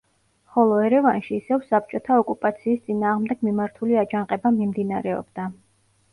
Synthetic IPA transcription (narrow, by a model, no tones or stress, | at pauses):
χɔlˠɔɛɾɛvanʃiːsɛvsap̚ʰt͡ʃʼɔt̪ʰaɔkʼupʼat̪sʰiːst̪sʼinaːʁmd̪ɛɡ̥mimaɾt̪ʰuliad͡ʒanqʼɛbamimd̪inaɾɛɔ̰bd̪a